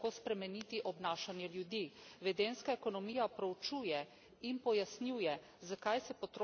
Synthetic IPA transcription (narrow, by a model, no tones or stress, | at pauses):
koːspɾɛmɛnit̪iʔɔbnaːʃanjɛljud̪iʋɛd̪enskaɛkonɔmiːjapɾɛwt͡ʃuːjɛ | impɔjasnjuːjɛ | zakajsɛpɔt̪ɾ